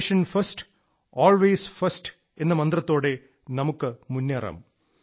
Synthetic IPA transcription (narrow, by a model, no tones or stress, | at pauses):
ʂɐnfɐsʈ | oːlʋeːsfɐsʈ | e̞nːɨmɐnd̪rɐt̪ːo̞ːɽe̞ | nɐmukːɨmunːɐrɐ̰m